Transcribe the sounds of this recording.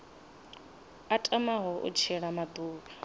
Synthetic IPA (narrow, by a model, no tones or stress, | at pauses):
atʼamaɦɔʔṵt͡ʃʰɛɺamad̪uːka